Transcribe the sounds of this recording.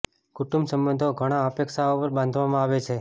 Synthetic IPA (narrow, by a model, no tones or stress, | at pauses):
kuʈumbsəmbənd̪ʱoɡʱəɽ̃aəpekʃaopəɾbãnd̪ʱʋamãaʋet͡ʃʰe